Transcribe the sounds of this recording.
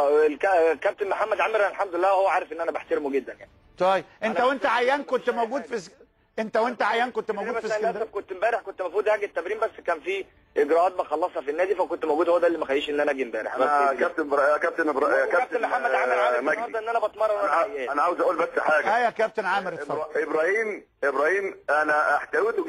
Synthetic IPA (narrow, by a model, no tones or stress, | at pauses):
ekækæb̚t̪enmoħamːæd̪ʕaːmeɾænelħamd̪oelːæːwhowːæʕaːɾefʔenːʔænæbeħt̪eɾemuɡed̪ːænjaʕit̪ˤɑjebʔenæwent̪æʕajːæːnkont̪mowɡuːd̪fis | ʔent̪æwent̪æʕajːæːnkont̪mowudæfisnæd̪æbkont̪embæːɾeħkont̪mæfuːd̪hæːɡet̪ːæbɾiːmbæsːkæːnfi | ʔeɡɾæʔɑːt̪̚mæxɑlːɑsˤhɑfinːæːd̪ifækont̪mowɡuːd̪howæd̪æʔlːimæxæjiːʃʔenːʔænæʔæɡiːmbæːɾḛħæækæb̚t̪ekæb̚t̪eebɾkææt̪enmoħaːæʕaæamæɡɡɑɾd̪ˤɑʔenːʔænæbɑt̪mɑrˤːɑwæænæʕaːwezʔæʔuːlbæsːħaːɡæjækæb̚t̪enʕaːmeɾebɾˤæhiːm | ʔebɾæːhiːmʔænæaħt̪æwet̪